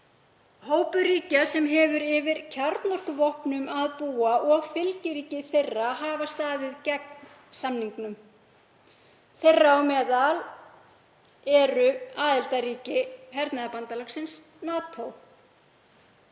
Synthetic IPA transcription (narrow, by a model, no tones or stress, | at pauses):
hoːwpʏɾiːcasɛmɦɛːvʏɾɪvɪɾcʰaɾt̪nɔr̥kʏvɔhpnʏmaðpuːaʔɔɣfɪlcɪɾiːcɪθejrːaɦaːvast̪aːðɪðcɛkn | samniŋknʏm | θejrːaawmɛːðal | ɛɾʏaːðɪlt̪aɾiːcɪhɛɾt̪naðapant̪alaksɪns | naːt̪ʰow